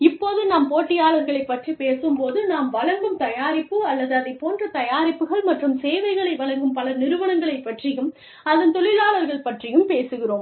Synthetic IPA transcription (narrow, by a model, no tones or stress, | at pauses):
ɪpːoːðɯnaːmpoːʈːɪjaːɭɐɾɣɐɭɐɪpːɐʈripeːsɯmpoːðɯnaːmʋɐɭɐŋɡɯmt̪ɐjaːɾɪpːɯɐlːɐðɯɐðɐɪpoːndrɐt̪ɐjaːɾɪpːɯɣɐɭmɐʈrɯmseːʋɐɪɣɐɭɐɪʋɐɭɐŋɡɯmpɐlɐnɪɾɯʋɐnɐŋɡɐɭɐɪpːɐʈrɪjɯm | ɐðɐnt̪ɔɭɪlaːɭɐɾɣɐɭpɐʈrɪjɯmpeːsɯɣɪroːm